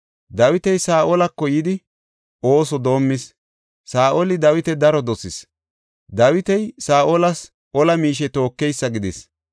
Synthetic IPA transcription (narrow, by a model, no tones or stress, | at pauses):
d̪ɐwɪt̪ɛjsaːʔolɐkːɔjɪd̪ɪ | oːsɔd̪o̞ːmːɪs | saːʔolɪd̪ɐwɪt̪ɛd̪ɐɾɔd̪ɔsɪs | d̪ɐwɪt̪ɛjsaːʔolɐs | ʔɔlɐmiːʃ̬ɛt̪o̞ːkːɛjsːɐɡɪd̪ɪs